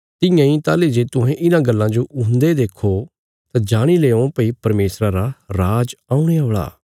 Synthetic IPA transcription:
t̪ɪjãːĩt̪aːled͡ʒet̪ʊɦɛ̃ʔɪnãɡɐlːãd͡ʒoʔʊnd̪ed̪eːkʰo | t̪ãd͡ʒaːɽ̃ileːõpəipɐɾmeːsɾaɾaɾaːd͡ʒaːũɽ̃eɦoːɭa̰ː

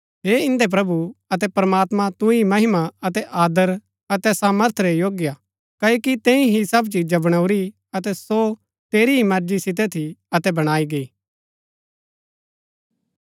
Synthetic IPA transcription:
ɦeːɪ̃nd̪ep̬ɾɐbuɐt̪̬ɛpɐɾmaːt̪mãt̪ʊ̃imɐɦɪmaɐt̪ɛʔaːd̪əɾ | ɐt̪ɛsaːməɾt̪ʰɾejoːɡja | kɐoːkit̪ɛ̃ːĩɦisɐbt͡ʃid͡ʒabɐɽ̃ɐuɾi | ɐt̪ɛso | t̪eːɾiɦimɐɾd͡ʒisɪt̪̬ɛt̪ʰiɐt̪ɛbɐɽ̃aːiɡɐiː

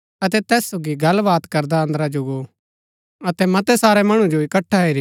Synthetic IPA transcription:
ɐt̪̬ɛt̪ɛːssoːɡiɡɐlʋaːt̪kɐɾd̪aə̃nd̪ɾad͡ʒoɡo | ɐt̪ɛmɐt̪ɛsaːɾɛmɐɽ̃ũd͡ʒoɪkɐʈʰːaiɾi

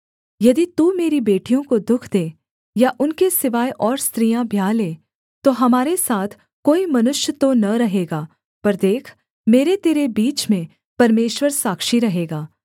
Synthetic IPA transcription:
jɐd̪it̪uːmeːɾibeːʈijõkod̪ʊkʰd̪eː | jaʔʊnkesɪʋaːjʔɔːɾst̪ɾiːjãbʱjaːleː | t̪oɦɐmaːɾesaːt̪ʰ | koːimɐnʊʃjət̪onɐɾɐɦeːɡaː | pɐɾd̪eːkʰ | meːɾet̪eːɾebiːt͡ʃmẽ | pɐɾmeːʃwəɾsaːkʃiɾɐɦeːɡaː

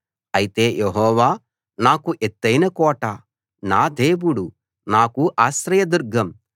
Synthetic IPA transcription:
ɐjit̪e̞ːjʔeɦɔːʋaː | naːkuʔet̪ːɐjnɐkɔːʈa | naːd̪e̞ːwuɽu | naːkuʔaːʃɾɐjɐd̪uɾɡʱɐm

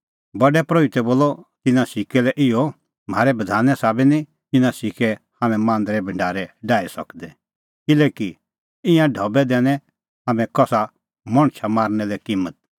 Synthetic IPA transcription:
bɐɖɛpɾoit̪ɛboːlɔt̪ɪnãsɪkɛlɛʔɪɔ | m̤aːɾɛbɐd̪ʱaːnɛsaːbɛni | t̪ɪnãsɪkɛhaːmɛ̃mãːnd̪ɾɛbʱɐ̃ɳɖaːɾɛɖaːisɐ̰kd̪ɛ | kɪleːki | ɪ̃jãɖʱɔbɛd̪ɛːnɛ̃ | ɦaːmɛ̃kɔsa | mɔɽ̃t͡ʃʰamaːɾnɛlɛkiːmːət̪̚

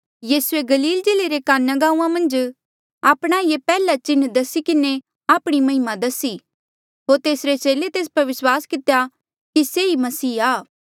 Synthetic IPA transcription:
jiːsueɡɐliːld͡ʒeːleɾekaːnːɐɡaːũːãmɐ̃nd͡ʒ | aːpɽ̃aijepɛːlat͡ʃɪnd̪ɐsikɪne | aːpɽ̃imɐɦɪmãd̪ɐsi | ɦoːɾt̪eːsɾet͡ʃeːlet̪eːs̬pɐɾʋɪswaːskɪt̪eja | kiseimɐsiːaː

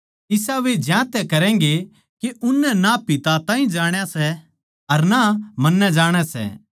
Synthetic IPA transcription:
ɪsaʋed͡ʒjãːt̪ɛkɐɾɛ̃ːŋɡe | keʔʊnːɛnapɪt̪at̪ãːĩd͡ʒaːɽ̃jasɛ | ɐɾnamɐnːɛd͡ʒaːɽ̃ɛsɛ̰

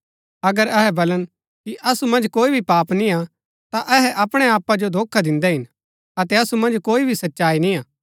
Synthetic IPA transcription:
ɐɡəɾɛɦɛbɐlən | kiʔɐsumɐ̃nd͡ʒkoːibʱipaːpnĩa | t̪aʔɛɦɛʔɐpɽ̃eaːpːad͡ʒod̪ʱoːkʰːad̪ɪ̃nd̪ɛɦɪn | ɐt̪ɛɐsumɐ̃nd͡ʒkoːibʱisɐtːʃaːinĩaː

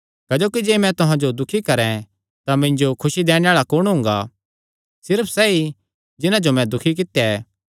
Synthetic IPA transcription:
kɛd͡ʒoːkid͡ʒeːmɛ̃t̪ʊɦãd͡ʒod̪ʊkʰikɐɾɛ̃ | t̪amɪ̃ɲd͡ʒokʰʊʃid̪ɛːɽ̃ẽaːɭakʊɽ̃ɦʊ̃ŋɡa̰ | sɪɾəpʰsɛːi | d͡ʒɪnãd͡ʒomɛ̃d̪ʊkʰik̬ɪt̪jaɛː

